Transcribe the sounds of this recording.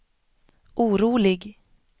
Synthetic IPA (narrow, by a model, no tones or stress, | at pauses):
ʔuːɾuːlɪɡ